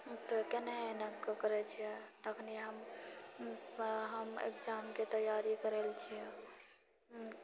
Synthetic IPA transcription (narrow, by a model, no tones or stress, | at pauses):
t̪ɔkeneenəkkəɾɛt͡ʃʰijɛt̪əkʰniɦəm | ɦəmḛkd͡ʒamket̪əjaɾikəɾelt͡ʃʰijɛ